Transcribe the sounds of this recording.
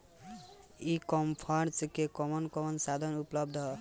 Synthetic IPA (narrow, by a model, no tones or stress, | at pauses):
ikɔmpʰaɾt͡ʃkekɔmʌnkɔmʌnsad̪ʱʌnuplʌb̚d̪ʱʌ